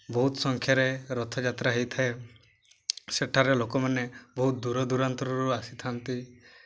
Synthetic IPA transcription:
bɔɦut̪ɔsɔŋkʰjaɾeɾɔt̪ʰɔd͡ʒat̪ɾaɦejt̪ʰae | seʈʰaɾelokɔmanebɔɦut̪̚d̪uɾɔd̪uɾant̪ɾɔɾuasit̪ʰant̪i

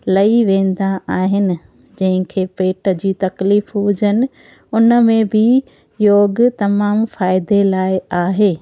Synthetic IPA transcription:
lɐiʋẽːn̆d̪aaːɦɪnɪ̆ | d͡ʑɐ̃ɦɪ̃kʰeːpeːʈə̆d͡ʑiːt̪ɐkliːfuːd͡ʑənɪ̆ | ʊnəmẽbʱɪ | joːɡt̪ɐmaːmfaːɪd̪elaːɪaːɦeː

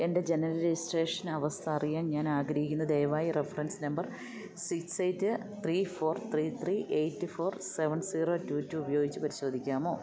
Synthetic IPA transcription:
e̞nde̞d͡ʑe̞nɐɾɐlisʈe̞ːʂɐnɐʋɐst̪ʰɐːrijaːnɲaːnaːɡɾɐɦikʲːunːɐd̪e̞jʋaːjirefɐrɐnsnɐmbɐr | siksejtːɨ | t̪ʰrifo̞ːrt̪riːt̪ʰriːʔejtːɨfo̞ːrseʋɐnsiːro̞ːtuːtːuːbɐjo̞ːɡit͡ɕːupɐɾiɕo̞ːd̪ʱikʲːaːmo̞ː

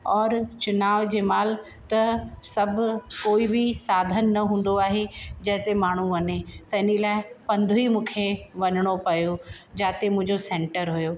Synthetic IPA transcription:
ɔːɾt͡ɕʊnaːʋd͡ʑeːmaːl | t̪ɐsɐbʱʊkoːibɪsaːd̪ʱənːɐɦũːn̆d̪oaːɦed͡ʑɐɦɪ̃t̪emaːɳ̤uʋɐnet̪ɐɪnilaːɪpɐ̃nd̪ʱuimũːkʰeʋɐɲɽ̃opɐjod͡ʑaːt̪emʊ̃ɪ̃ɲd͡ʑosɛ̃ːɳʈəɾɦʊjoː

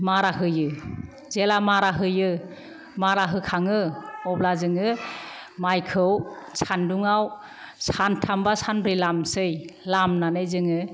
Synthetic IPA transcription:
maɾaɦɯjɯ | zelamaɾaɦɯjɯ | maɾaɦɯkʰaŋɯɔblazɯŋɯ | majkʰɯwsʰanduŋaw | santʰambasanbɾijlamsɯjlamnanɯjzɯŋɯ

